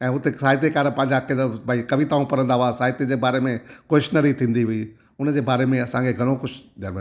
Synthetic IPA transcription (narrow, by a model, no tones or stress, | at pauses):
ɛ̃ːʊt̪esaːɦɪt̪̬ekaːɾə̃pɐ̃ːɲd͡ʑakeabʱaːikɐʋit̪aːũpɐɾə̃nd̪aʋasaːɦɪt̪ed͡ʑebaːɾemẽkoʃnəɾit̪ʰĩːnd̪iɦʊi | ʊnd͡ʑeːbaːɾemẽɐsãkʰeɡʱɐɽ̃õkʊt͡ʃʰd͡ʒaːm